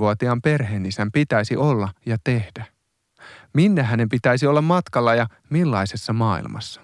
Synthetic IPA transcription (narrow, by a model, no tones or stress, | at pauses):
uot̪iɑːmpe̞rɦe̞ːnisæmpit̪æisiʔo̞lːɑjɑt̪ehd̥æ | minːæɦæne̞mpit̪æisio̞lːɑmmɑt̪kɑlːɑjɑ | milːɑisesːɑmɑːḭlmʔɑ̰sːɑ̥